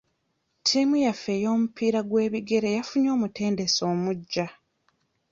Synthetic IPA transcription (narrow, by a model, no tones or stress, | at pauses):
tʰimujafe̞ːjo̞ːmupʰiːɾaɡwe̞ːβiɡe̞ɾe̞jafuɲo̞ːmutʰe̞ːnde̞so̞ːmuɟːa